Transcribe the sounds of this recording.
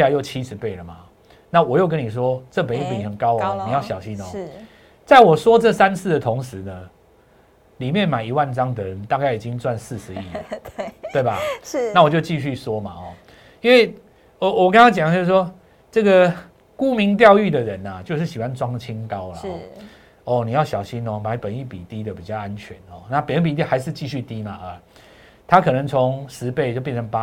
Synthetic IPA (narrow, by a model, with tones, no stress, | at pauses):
a˨˧˦jo˥˩ʊt͡ɕʰi˦ʂɻ̩˧˦pe˥˩ɪlə˩ma̰˩ | na˥˨wɔ˨˩jo˥˩ʊkə˦ni˨˩ʂ̬wɔ˦ʈ͡ʂɤ˥˩pə˨ni˥˩pi˨˩ni˨˩hə˨˩nkɑ˦˥ʊ˨˦ni˨jɑ˥˩ʊɕjɑ˨˩ʊɕi˦nɔ˨ | t͡sa˥˩ɪwɔ˨˩ʂwɔ˥t͡sɤ˥˨sa˦˥nt͡s̩ʰ˥˩d̪ə˨t̪ʰʊ˧˦ŋʂɻ̩˨˦nə˧ | li˨˩mjɛ˥˨nma˨˩ɪi˧˦wa˥˩nt͡sɑ˦ŋd̪ə˨ɻə˨˦nt̪a˥˧ka˥˩ɪi˨˩t͡ɕi˦ŋt͡swa˥˧nsɹ̩˥˩ʂɻ̩˨˦ii˥˩lə˨˩t̪we˥˩ɪba˩na˥˩˨wɔ˨˩t͡ɕjo˥˧ʊt͡ɕi˥˧ɕy˥˨swɔ˦ma˨hɔ̰˩ | i˥nwe˥˩ɪ | ə˧˩wɔ˨˩ka˥ŋʰa˥t͡ɕjŋt͡ɕo˥˧ʂ̩˥˩ʂwɔ˥ | t͡sɤ˥˩ɡə˨ | ku˦mi˨˦˥ŋt̪̬jɑ˥˧ʊy˥˩d̪ə˨ɻə˨˦nə˨t͡ɕjo˥˧ʊʂ̩˥˩ɕi˨˩wa˦nt͡swɑ˦˥ŋt͡ɕʰi˦˥ŋka˦ʊlə˨ɔ̰˨˦ | ɔ˥˩ni˨˦ja˥˩ʊɕjɑ˨˩ʊɕi˦nɔ˨ma˧˦ɪpə˨ni˥˩pi˨˩t̪i˦d̪ə˨pi˨t͡ɕjɑ˥˩ʊa˦nt͡ɕʰɥɛ˨˦nɔ˥˩na˥˨pə˨ni˥˩pi˨t̪̬i˥a˧˦ɪʂ̬ɻ̩˥˧t͡ɕi˥˧ɕy˥˧t̪i˦ma˨ʔə˨˩ | t̪ʰa˦kʰɤ˨˩nɤ˧˦ŋt͡sʰɔ˨˦ŋʂɻ̩˧˦pe˥˩ɪt͡ɕjpjnt͡sʰə˧˦npa˦